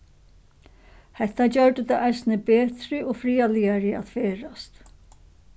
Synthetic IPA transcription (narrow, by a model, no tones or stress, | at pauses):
hɛht̪ːad͡ʑœɹd̪ʏt̪ɪʔajsnɪbeːt̪ɾɪʔɔfɾiːaliaɾɪa̰ðfeːɾast̪